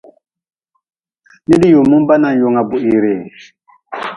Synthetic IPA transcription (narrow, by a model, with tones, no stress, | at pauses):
ni˦di˦jo˨mu˦m˦ba˦na˨n˨jo˨ŋa˨bu˨ʔi˨ɾe˨